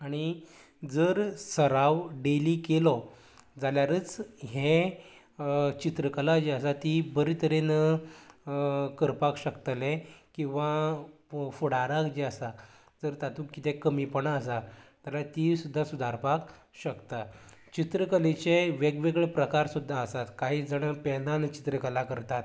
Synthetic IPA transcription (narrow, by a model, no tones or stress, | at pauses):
aɽ̃i | d͡zəɾsəɾaʋɖelikelɔ | d͡zaljaɾət͡sɦẽ | t͡ɕit̪ɾəkəlad͡ʑiəsat̪ibəɾit̪əɾen | kəɾpakɕəkt̪lekĩw̃ʋa | fuɽaɾakd͡ʑiəsa | d͡zəɾt̪at̪ũkkːit̪ɛkəmipəɳəsat̪alat̪iːsud̪ʱːasud̪ʱaɾpak | ɕəkt̪a | t͡ɕit̪ɾəkəlet͡ɕeʋeɡʋeɡɭpɾəkaɾsud̪ʱːaəsat̪kaɦiːd͡zəɳpɛnant͡ɕi̥t̪ɾəkəlakəɾt̪at̪